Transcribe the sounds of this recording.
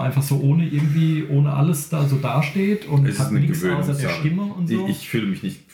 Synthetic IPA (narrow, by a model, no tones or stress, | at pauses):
ʔaɪnfaχz̥oːʔoːnəʔɪɐɡŋ̩tv̥iːʔoːnəʔa̰ləsd̥aːzoːdaːʃteːtʰʊntshatnɪɡsaːzadeɐɐʃtɪməʊntzoːɪçfyːləmɪçnɪçt